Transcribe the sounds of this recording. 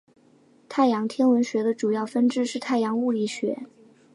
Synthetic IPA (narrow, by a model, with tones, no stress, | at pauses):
t̪ʰa˥˩ɪjɑ˧˥ŋt̪ʰjɛ˥nwə˧˥nɕɥɛ˧˥d̪ə˧ʈ͡ʂu˨˩jɑ˥˩ʊfə˥nʈ͡ʂɻ̩˥˧ʂɻ̩˥˧t̪ʰa˥˩ɪjɑ˧˥ŋu˥˩li˥˩ɕɥɛ̰˧˥